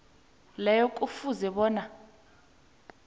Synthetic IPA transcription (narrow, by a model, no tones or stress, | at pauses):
lɛjɔk̬ʼufuzɛɓɔːna